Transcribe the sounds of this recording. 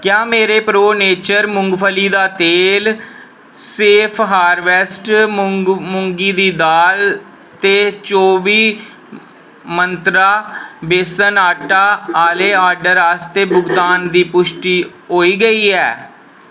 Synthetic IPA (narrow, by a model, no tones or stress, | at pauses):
kjaːmeːɾeːpɾoːneːt͡ʃəɾmʊ̃ŋɡpʰəliːd̪aːt̪eːl | seːpʰɦaːɾʋɛːsʈ | mʊŋɡiːd̪iːd̪aːl | t̪eːt͡ʃoːbiː | mənt̪ɾaːbeːsənaːʈaːaːleːaːɾɖəɾaːst̪eːbʊɡd̪aːnd̪iːpʊʃʈiː | ɦoːiːɡəiːɛː